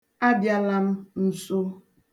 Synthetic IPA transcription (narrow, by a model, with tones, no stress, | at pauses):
a˦bja˦la˦m̩˦n̩˨so˦